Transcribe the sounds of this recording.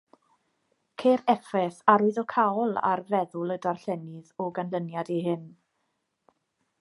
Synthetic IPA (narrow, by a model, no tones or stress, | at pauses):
kʰeɾɛfɛθaɾʊɨðɔkʰaɔlˠa̰rvɛðʊlˠədarɬɛnɪðɔɡanlənjadiɦɪn